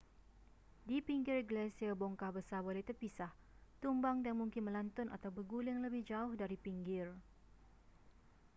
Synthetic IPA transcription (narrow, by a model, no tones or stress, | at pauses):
dipiŋɡɪrɡəlɛsiaboŋkahbəsarbolɛht̪ərpisah | t̪umbaŋdanmuŋkɪnmə̃lant̪ʊna̰t̪awbəɡulɪŋləbɪhd͡ʒaʊhdaɾipiŋɡɪr